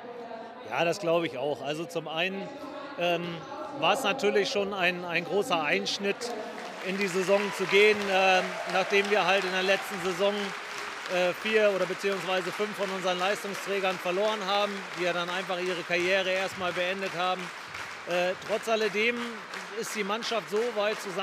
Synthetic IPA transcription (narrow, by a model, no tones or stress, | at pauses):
ja̰ːɾasɡ̥laʊbəɪçaʊxʔalzot͡sʊmʔaɪnən | ʔɛːmvaːɐɛsnatʰyːɐlɪçʃoːnaɪnaɪnɡʁoːsɐʔaɪnʃnɪt | ʔɪndiːzezɔŋt͡suɡeːənʔɛːnaːχd̥eːmviːɐɦaltɪndeːɐlɛt͡stn̩zezɔŋ | ʔɛːfiːɐoːɾɐbət͡siːʊŋsv̥aɪzəfʏnfːɔnʊnzəʁənlaɪstʊŋstʁ̥ɛːɡɐnfɛɐloːʁənɦaːbm̩d̥iːjaːɾanaɪnfaχʔiːʁ̞əkʰaʁjɛːʁ̞əeːɐstmaːlbəɛndəthaːbm̩ | ʔɛːtʁ̥ɔt͡sʔalədeːm | ɪstd̥iːmanʃaftz̥oːvaɪtt͡suz